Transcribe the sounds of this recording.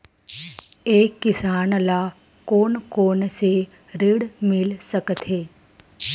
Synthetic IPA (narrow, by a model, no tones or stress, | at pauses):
eːkːɪsaːnla | koːnkoːnse | ɾɪɽmɪlsəkt̪ʰɦeː